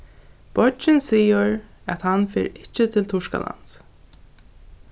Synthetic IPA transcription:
b̥ɔd͡ʒɪnsiːʊɹ | æt̪hanfɛ̰ːɾɪt͡ʃːɪt̪ʰɪlt̪ʰʊʂka̰la̰ns

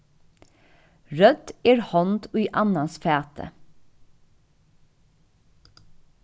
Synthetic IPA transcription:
ɹœd̪̥eːɹhɔnt̪ʰʉiʔɑnɑsfeːt̪ʰə̰

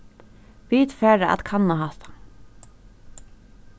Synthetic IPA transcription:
ʋiːt̪fæːɹaʔa̰t̪kʰanːaɦaht̪ḁ

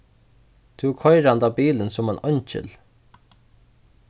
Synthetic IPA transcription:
t̪ʰʉkʰɔjɾand̪aːbiːlənsʊmanœɲt͡ʃɪ̰l

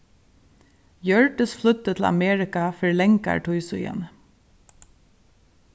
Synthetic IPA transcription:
jœɹʈəsflʏt̪ət̪ʰl̩ɑ̰meːɹɪkɑfœɹlɛŋka̰ɹʈʰuʏsʉ̰jə̰n

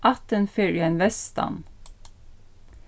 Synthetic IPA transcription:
ʔɑt̪ənfʏɹænʋɛsst̪ɑ̰n

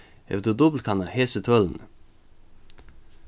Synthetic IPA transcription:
ɛ̰ʋd̪ud̪ɔbl̩kʰɑnɑheːsət̪ʰœln̩

